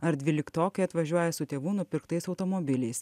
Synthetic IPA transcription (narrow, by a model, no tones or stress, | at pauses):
ɐɾd̪ʲʋʲɪlʲɪkt̪oːkɐɪɐt̪ʋɐʒʲuɔjɛsʊt̪ʲeːʋuːnʊpʲɪɾkt̪ɐɪsɒʊt̪omɔbʲɪlʲɛɪs